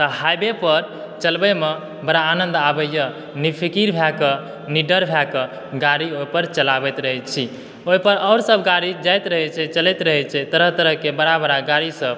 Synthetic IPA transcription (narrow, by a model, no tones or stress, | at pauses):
t̪əɦajbepəɾ | t͡ʃəlbɛme | bəɾaːnə̃nd̪abəjːə | nipʰikiɾbʱɛkə | niɖəɾbʱɛkə | ɡaɾiopəɾt͡ʃəlabɛt̪ɾəɦɛt͡ʃʰi | oipəɾɔʊɾsəbɡaɾid͡ʒajt̪ɾəɦɛt͡ʃʰɛt͡ʃəlɛt̪ɾəɦɛt͡ʃʰɛt̪əɾəɦt̪əɾəɦkebəɾabəɾaɡaɾisəb̚